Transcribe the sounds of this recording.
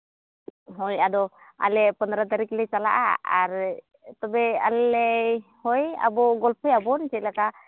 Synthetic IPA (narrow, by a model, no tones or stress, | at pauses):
ɦɔjad̪ɔa̰lɛpɔnd̪ɾat̪aɾiklɛt͡ʃala̰ʔa̰a̰ɾ | t̪ɔbɛalɛhɔja̰bɔɡɔlpʰɔjabɔnt͡ʃɛlaka